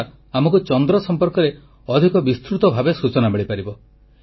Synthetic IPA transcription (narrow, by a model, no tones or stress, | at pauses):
amɔkut͡ʃɔnd̪ɾɔsɔmpɔɾkɔɾe | ɔd̪ʱikɔbist̪ɾut̪ɔbʱabesut͡ʃɔnameɭipaɾibɔ